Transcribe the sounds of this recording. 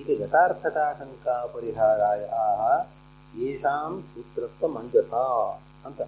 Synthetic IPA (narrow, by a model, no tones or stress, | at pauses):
t̪ed͡ʒɐt̪aːɾt̪ʰɐkaːʂɐŋkaːpɐɾiɦaːɾaːd͡ʒɐaːɦɐ̆ | eːʃaːmut̪ɾɐst̪ːɐmɐnd͡ʒɐt̪aː | ɐnt̪ɐ